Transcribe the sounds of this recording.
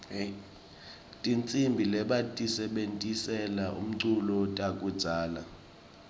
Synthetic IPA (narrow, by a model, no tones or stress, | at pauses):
tʼint͡sʼimbʱilɛɓatʼisɛɓentʼisɛlaʔṵm̩ǀʰulɔtʼak̬ʼud̥d͡z̥ʱaːla̰